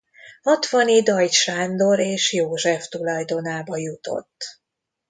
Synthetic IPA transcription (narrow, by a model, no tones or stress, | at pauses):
hɒt̪ʋɒnid̪ɒjt̪ʃaːnd̪o̞ɾeːʃjoːʒɛft̪ulɒjd̪o̞naːbɒjut̪o̰t̪ː